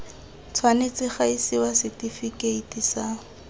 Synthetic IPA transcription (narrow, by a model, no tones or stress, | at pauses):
t͡sʰwanet͡sɪχaisiwasɪtifikeitisa